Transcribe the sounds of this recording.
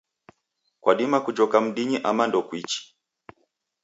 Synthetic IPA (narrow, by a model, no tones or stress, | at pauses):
kwʔaɗimakud͡ʒɔkam̩ɗiɲiʔamandɔkwit͡ʃi̥